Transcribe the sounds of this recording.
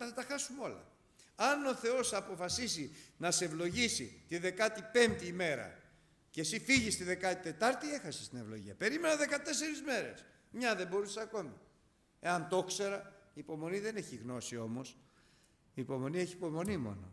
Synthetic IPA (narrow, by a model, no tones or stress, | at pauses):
θɐt̪ɐxɐsumeo̞lɐ̰ | ɐno̞θe̞o̞sɐpo̞fɐsisinɐseevlo̞ʝisit̪iðe̞kɐt̪ipe̞mt̪iːme̞ɾɐ̰ | cesifiʝist̪iðe̞kɐt̪it̪e̞t̪ɐɾt̪ie̞xɐsi̥st̪ine̞vlo̞̰ʝḭɐpe̞ɾime̞nɐðe̞kɐt̪e̞se̞ɾizme̞ɾe̞̰s | mɲɐðe̞bo̞ɾisesɐko̞mi | e̞ɐnt̪o̞kse̞ɾɐiːpo̞mo̞niðe̞ne̞çiɣno̞sio̞mo̞s | iːpo̞mo̞nieçiːpo̞mo̞nimo̞̰no̞̰